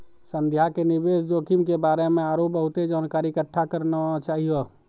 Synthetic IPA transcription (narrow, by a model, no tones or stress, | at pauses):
sə̃nd̪ʱjakenɪbeːsd͡ʒoːkimkebaːɾemẽaːɾoːp̚bəɦʊt̪ed͡ʒaːnkaːɾikəʈʰːakəɾnat͡ʃaːɦijo